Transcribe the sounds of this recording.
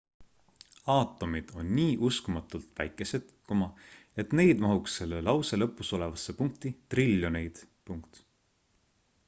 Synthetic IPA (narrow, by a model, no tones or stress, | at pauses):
ɑːt̪ːˑo̞mid̪̥o̞̰nːiːʔuskumɑt̪ˑult̪ˑvæ̰jkːˑe̞se̞d̪̥komɑe̞t̪ne̞jd̪mɑɦuksːe̞lːelɑwse̞lɤpːˑuso̞le̞vɑsːe̞puŋk̚t̪it̪rilʲːonejd̪̥ | puŋkt̪